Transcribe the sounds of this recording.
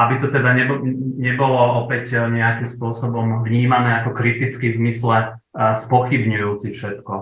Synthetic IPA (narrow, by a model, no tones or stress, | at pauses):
abit̪ɔt̪ɛd̪aɲɛbɲɛbɔlɔʔɔpɛcɲɛakimspʊɔsɔbɔmvɲiːmanɛːakɔkɾit̪it͡skizmislɛ | spɔxibɲujuːt͡sifʃɛt̪kɔ